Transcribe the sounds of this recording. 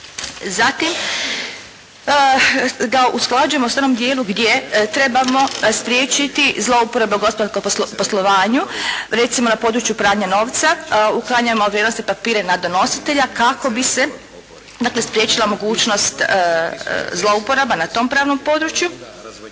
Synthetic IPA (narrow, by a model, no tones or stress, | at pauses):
zat̪im | ɡaʔusklˠad͡ʒuje̞mosanomd̪jeːluɡd̪jet̪ɾe̞bamo̞spɾʲje̞ːt͡ʃit̪izlˠo̞upoɾabeuɡospod̪aɾskompo̞slˠo̞ʋaːɲuɾe̞t̪simo̞napo̞ːd̪ɾut͡ʃjupɾaːɲano̞ːʋt̪sauklˠaɲaemoʋɾjed̪nost̪eipapiːɾe̞nad̪ono̞si̥t̪e̞ʎakako̞bise̞ | d̪aːkle̞spɾje̞t͡ɕilˠamo̞ɡuːt͡ʃno̞st̪ | zlˠo̞upo̞ɾabanat̪o̞ːmpɾaːʋno̞mpo̞ːd̪ɾut͡ʃju